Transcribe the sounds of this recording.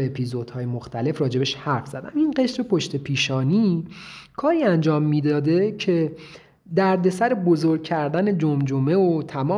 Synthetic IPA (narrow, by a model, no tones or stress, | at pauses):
eepʰizod̪̥hɒːjemoxt̪æle̞frɒːd͡ʒe̞beʃhæɾfz̥æd̪æ̰minɢe̞ʃɾepʰoʃt̪e̞pʰiːʃɒːni | kʰɒːɾiːænd͡ʒɒːmːiːd̪ɒːd̪e̞cʰe̞ | d̪æɾd̪e̞sæɾebozoɾɡ̚cʰæɾd̪æne̞d͡ʒomd͡ʒome̞ot̪ʰæmɒː